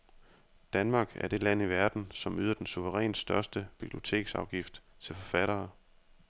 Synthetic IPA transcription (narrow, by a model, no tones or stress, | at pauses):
d̥ænmɑ̈ːɡ̥æɐd̥e̝læn̰iʋæɐd̥n̩sɒ̽myːðˠɐd̥ensuʋəʁɛ̰ːnsd̥ɶɐsd̥əb̥ib̥lio̝t͡sʰe̝̰ːɡ̥sɑ̈ʊɡ̥ifd̥ | t͡sʰe̝lfɒ̽fæɾ̥ɐː